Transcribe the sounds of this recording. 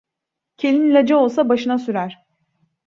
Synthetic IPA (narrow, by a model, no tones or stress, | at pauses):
cʰe̞lʲinlʲad͡ʒao̞lˠsabaʃɯnasyɾæɾ̥